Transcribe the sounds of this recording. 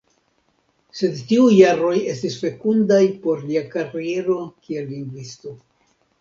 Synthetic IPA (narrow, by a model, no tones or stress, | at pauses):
se̞dtiujːaɾo̞je̞stisfe̞kundajpo̞ɾliakaɾie̞ɾo̞kie̞lːiŋɡvisto̞